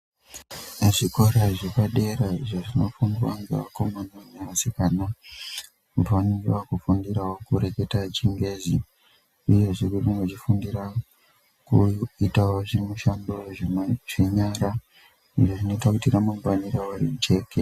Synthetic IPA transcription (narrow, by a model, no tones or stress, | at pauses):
ʐikoɾaʐepaɗe̞ɾaʐaʐino̞fuŋɡiwa̰ŋɡḛwa̰komanoneʋasikana | mpanirwakufundiɾawokuɾe̞ke̞tat͡ʃiŋɡe̞zi | uje̞ʐiririŋɡot͡ʃifundira | kuitawoʐiɾimuʃandoʐeʐe̞ɲaɾa | iʐoʐino̞itakutiramumanirawarit͡ʃe̞ːke